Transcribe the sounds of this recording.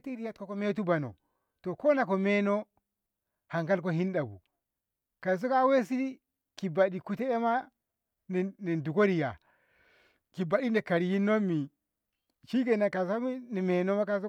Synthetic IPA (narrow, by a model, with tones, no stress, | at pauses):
ti˦ɾi˦ja˦t̚ko˦ko˦me˦t̬u˦ba˨no̰˨ | to˨ko˦na˨ko˨me˦no˦ | ha˨ŋka˦lk̬o˦hi˦nda˨bṵ˨ | ka˨s̬o˦ka˦we˦s̬i˦di˦ | ki˨ba˨ɗi˨ku˦te˦e˦ma˦ | n˨ne˨ndu˨ko˦ɾi˨ja̰˨ | ki˨ba˨ɗi˦ne˨ka˨ɾi˨ji˦nːo˦mːi˨ | ʃi˦ɡe˨na˨ka˨sa˦mi˦ni˨me˨no˦ma˦ka˦so˦